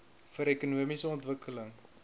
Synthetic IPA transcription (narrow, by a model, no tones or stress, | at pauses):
fəɾɛkunuəmisəɔntvəkələŋ